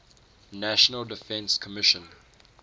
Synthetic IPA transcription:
næʃənəldɪfɛ̃nskʰɔmɪʃə̃n

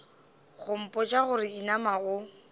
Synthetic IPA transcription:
ɣʊm̩pʼʊt͡ʃʼaɣʊɾɪinamaʊ

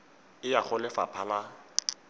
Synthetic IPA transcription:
ɪjaχʊlɪfapʰala

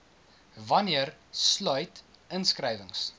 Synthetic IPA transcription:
vɐniərslœɥtənskrɛjvəŋs

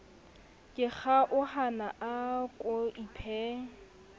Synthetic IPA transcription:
kʼɪk͡xʰaʔʊhanaʔakʼʊipʰɛ

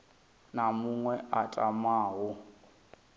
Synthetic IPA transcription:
namuŋwɛʔatʼamaːɦʊ

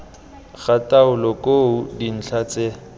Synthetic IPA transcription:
χataʊlɔkoudin̩ɬʰat͡se

